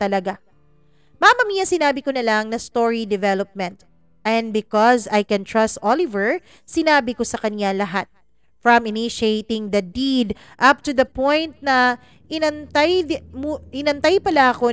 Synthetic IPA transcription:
t̪ɐlɐɡa | mamɐmiːjɐsɪnaːbɪkonɐlɐŋnɐst̪oɹid̪ɛvɛlop̚mɛ̃nt̪ | ʔɛ̃nd̪̚bɪkɔzajkɛnt̪ɹɐst̪ʔolɪvɛɹ | sɪnaːbɪko̞sɐkɐnjalɐɦat̪̚ | fɹɐ̃mɪniʃejt̪ɪŋd̪ɐd̪id̪ʔɐp̚t̪ud̪ɐpõjnt̪̚nɐ | ʔɪnɐnt̪ajmʔɪnɐnt̪ajpɐlaʔɐko̞

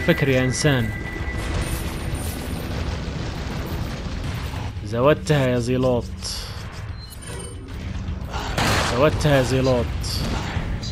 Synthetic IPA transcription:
fakɾjaʔɪnsaːn | zawad̚t̪hajazˤiːloːt̪ˤ | zawat̪hajɑzˤiːloːt̪ˤ

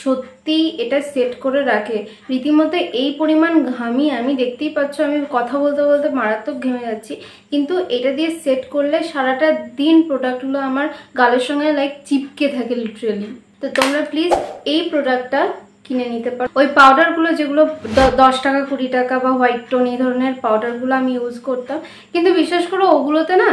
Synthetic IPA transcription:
ʃot̪ːijʔeʈaseʈkoɾeɾakʰe | ɾit̪imɔt̪eʔejpoɾimanɡʱamiamid̪ek̚ʰt̪ejpatːɕʰoamikɔt̪ʰabolt̪ebolt̪emaɾat̪ːok̚ɡʱemed͡ʑatːɕʰi | kint̪uʔejʈad̪ieseʈkoɾleʃaɾaʈad̪inpɾoɖak̚ʈɡuloamaɾɡaleɾʃɔŋɡelajkt͡ɕipket̪ʰakeliʈɾali | t̪ot̪omɾaplizejpɾoɖak̚ʈʈːa | kinenit̪epaojpawɖaɾɡulod͡ʑeɡuloɔd̪ɔʃʈakakuʈiʈakabaɦɔjʈʈonejd̪ʱɔɾoneɾpawɖaɾɡuloamijud͡ʑkoɾt̪am | kint̪ubiʃːaʃkoɾooɡulot̪ena

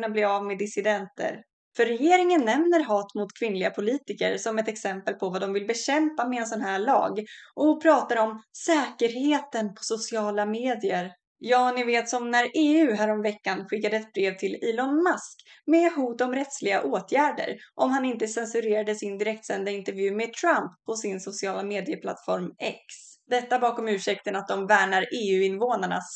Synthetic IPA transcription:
nablɪɾavmed̪ɪsɪd̪ɛnt̪ə̰ɾ | fœɾːɛjeːɾɪŋənːɛmnəɾɦɑːt̪mʊt̪kʰvɪnːlɪɡapʰʊliːt̪ɪkə̰ɾsɔmɛt̪ɛksɛmpəlpʰɔvad̪ɔmvɪlbɛɕɛmpamɛɛns̬ɔnɦæːɭɑ̰ːɡʔɔpʰɾɑːt̪aɾəɔmsɛːkəɾheːt̪ənpʰɔ̥sʊsɪɑːlameːd̪ɪəɾ | jɑːnɪveːt̪sɔmnæɾeːʉ̟ːɦæːɾɔmvɛkːanɧɪkːad̪əɛt̪̚bɾeːvt̪ʰɪliːlɔnmaskmɛɦuːt̪ɔmɾɛt̪slɪɡaʔoːt̪ʰjæːɖə̰ɾʔɔmhanɪnt̪əsɛnsɵɾeːɾad̪əsɪnd̪ɪɾɛkt̪sɛnd̪aɪnt̪əɾvjʉ̟ːmet̪ʰɾampʰːɔsɪnsʊsɪɑːlameːd̪ɪəpʰla̰t̪fɔɾmɛ̰ksd̪ɛt̪ːabɑːkɔmʉ̟ːʂɛk̚t̪ənat̪̚d̪ɔmvæːɳaɾeːʉ̟ːɪnvoːnaɳa̰

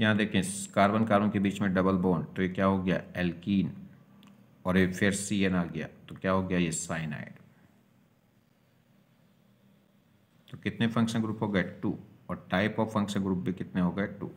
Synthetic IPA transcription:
jɐɦãd̪eːkʰẽkaːɾbənkaːɾbõkebiːt͡ʃmẽɖɐbəlboːnt̪ojekjaːɦoɡɐja̰ːɛːlkiːn | ɔːɾjefʰeɾsienaːɡɐja̰ːt̪okjaːɦoːɡɐjajesaːɪna̰ːɪɖ | t̪okɪt̪nefʰɐ̃ŋkʃənɡɾuːpɦoːɡɐeʈuːɔːɾʈaːɪpɔːʋfɐ̃ŋkʃə̃nɡɾuːp̚bʱikɪt̪neɦoːɡɐeʈṵː

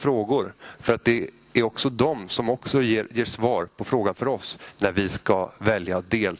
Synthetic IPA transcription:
fɾoːɡʊɾfœɾat̪̚d̪ɛ | æɾɔksɔd̪ɔmsɔmɔksɔjeːɾjeːʂvɑːɾpʰɔfɾoːɡanfœɾɔsnæɾvɪskavɛljad̪eːl

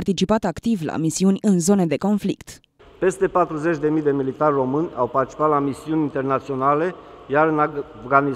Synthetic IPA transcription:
rt̪it͡ʃipat̪akt̪ivla̰misiunʲɨnzo̞ned̪e̞ko̞nflḭkt̪ | pe̞st̪e̞pat̪ɾuze̞t͡ʃʲd̪e̞mijd̪e̞milit̪arʲro̞mɨnʲawpart̪it͡ʃi̥pat̪lamisiunʲint̪e̞rnat̪sio̞nale̞jaɾɨnvɡani

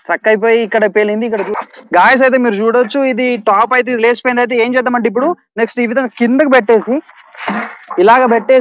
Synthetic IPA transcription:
ɾɐkːɐjpo̞ːjiːkːɐɽɐpeːlind̪iːkːɐɽɐt͡ʃuːɡaːjɐs̬ɐjt̪emiːɾut͡ʃuːɽɐt͡ʃːuid̪iʈaːpɐjt̪̬eid̪ileːsi̥poːind̪aːjit̪̬ee̞ːnt͡ʃɛːd̪ɐmɐɳʈip̬ːuɽu | ne̞ksʈiːʋid̪ɐŋɡakind̪ɐkubeʈːeːsi | ilaːɡɐbeʈːeː

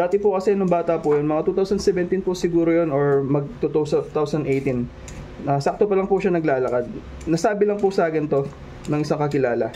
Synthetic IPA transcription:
d̪aːt̪ɪpʊkɐsɛnʊŋbaːt̪ɐpʊjonmɐŋat̪ut̪awsɐnd̪sɛvɛnt̪inpʊsɪɡuːɾojonoɹmɐɡ̚t̪ut̪owsɐt̪awsɐnd̪ʔejt̪in | ɐsak̚t̪opɐlɐŋpʊʃanɐɡlaːlɐkad̪̚ | nɐsaːbɪlɐŋpʊsaːkɪnt̪o̞ | nɐŋʔɪsaŋkɐkɪlaːlɐ

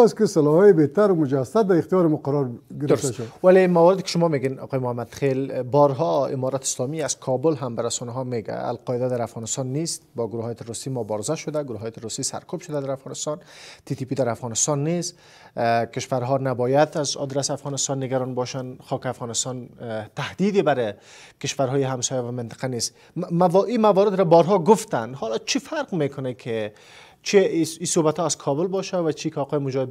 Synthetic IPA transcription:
skɪsalɔhɔjebet̪aɾʊmʊd͡ʒasat̪̚d̪aɪxt̪ijɔɾɪmoqaɾɔɾɡɪɾd̪aʃawalemawɔɾɪd̪ɪkɪ̥ʃʊmɔmeɡenɒ̰qɔjɪmʊhamad̪xelbɔɾɦɔɪ̰mɔɾat̪ɪ̥slɔmiaz̥kʰɔbʊlɦambaɾasɔnaɦɔmeɡa̰a̰lqɔjɪd̪ad̪aɾafɣɔnɪst̪ɑnːist̪̚bɔɡʊɾuhɑjt̪ʰɪɾusimʊbɔɾɪzaʃʊd̪aɡʊɾuɦɔjt̪ʰɪɾusisa̰ɾkʰubʃʊd̪ad̪aɾafɣɔnɪst̪ɑnt̪it̪ipid̪aɾafɣɔnɪst̪ɑnːis | kɪʃfaɾɦɔnabɔjad̪azɔ̰d̪ɾasafɣɔnɪst̪ɔnːɪɡaɾɔnbɔʃanxɒkɪafɣɔnɪst̪ɔnt̪ahd̪id̪ebaɾɪ | kɪʃfaɾɦɔːjɪɦamsɔjavamɪnt̪ɪ̥qanes | imavɔɾɪd̪ɾabɔɾɦɔɡʊft̪anhɔlɒt͡ʃʰifaɾqmekʊnekʰɪ | t͡ʃʰiisobat̪ʰɔaz̥kʰɔbʊlbɔʃavat͡ʃʰikɒːqɔjɪmʊd͡ʒɔhɪd̪

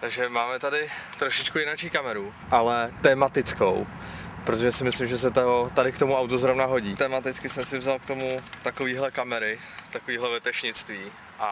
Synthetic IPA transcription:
t̪aɡʒɛmaːmɛt̪adɪt̪ɾoʃɪt͡ʃkujɪnat͡ʃiːkamɛɾu | ʔalɛt̪ɛːmat̪ɪt͡sko̰w | pɾot̪o̞ʒɛsɪmɪslɪmʒɛs̬ɛt̪oɦot̪adɪkt̪o̞muawt̪ozɾo̞vnaɦo̞ɟiːt̪ɛmat̪ɪt͡skɪsɛmsɪvzalkt̪o̞mut̪ako̞viːɦlɛkamɛɾɪ | t̪akoviːɦlɛvɛt̪ɛʃɲɪt͡st̪viː | ʔa

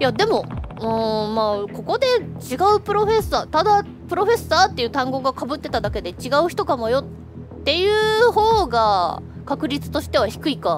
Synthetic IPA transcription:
jad̪e̞mo̞ɯ̟̃ːmaːko̞ko̞d̪e̞t͡ɕiɡaɯ̟pɯ̟ɾo̞ɸe̞sːaːt̪ad̪a | pɯ̟ɾo̞ɸe̞sːaːt̪ːe̞jɯ̟t̪ãŋɡo̞ːɡakabɯ̟t̪ːe̞t̪ad̪ake̞d̪e̞t͡ɕiɡaɯ̟çi̥t̪o̞kamo̞jo̞t̪ː | e̞jɯ̟ːɦo̞ːɡakakɯ̟ɾʲit͡sɨ̥t̪o̞ɕi̥t̪e̞β̞açi̥kɯ̟ika

